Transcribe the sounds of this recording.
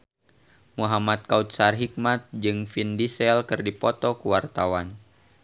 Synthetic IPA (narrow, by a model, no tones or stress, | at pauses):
muɦamat̪̚kaut̪̚sarɦik̚mat̪̚d͡ʒɨŋfindisɛlkɨrdipɔt̪ɔkəwart̪awan